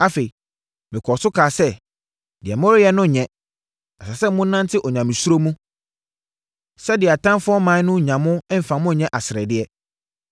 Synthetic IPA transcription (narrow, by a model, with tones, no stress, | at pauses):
a˦fe˨i˨ | mɪ̃˨kʰɔ˨sʊ˦kʰaː˨sɛ˦ | d̥ɪ˨ɛ˨mɔ̃˦ɾɪ˦jɛ˦nʊ̃˦˨ɲɛ̃˦ | a˨sa˨sɛ˦mʊ̃˦nã˦ntʰɪ˦ʔɔ˨ɲã˨mɪ̃˨su˦ɾo˦mũ˦ | sɛ˦dɪ˨a˨tʰã˦mfʊ˦ɔ˦mã˨˦nʊ̃˦˨ɲã˨mʊ̃˦m̩˨fã˨mʊ̃˦ɲɛ̃˦ʔa˨sɪ˨ɾɛ̰˨dɪ˦ɛ˦